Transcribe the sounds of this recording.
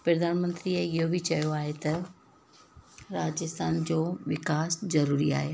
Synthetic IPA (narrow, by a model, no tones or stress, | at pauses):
pɾɐd̪aːnmə̃nt̪ɾieɪɦobʱɪt͡ɕɐjoaːɦet̪ɐ | ɾaːd͡ʑɪst̪ʰaːnd͡ʑoːʋɪkaːszɐɾuːɾia̰ːɦe